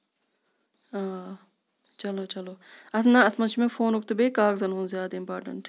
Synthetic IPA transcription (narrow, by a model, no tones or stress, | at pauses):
aː | t͡ʃɐloːt͡ʃɐloːɐsnãɐsmɐnʃmẽfoːnʊk̚t̪ubeːkaːkzɐnɦõːnzjaːd̪aimpaːɾʈə̰ɳʈ